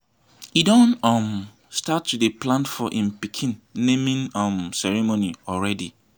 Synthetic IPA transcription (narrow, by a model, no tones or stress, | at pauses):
idɔ̃nɔ̃m | statːudeplãntfɔʔĩmpikʰĩnːẽmĩnɔ̃msɛɹɛmoniɔɹɛdi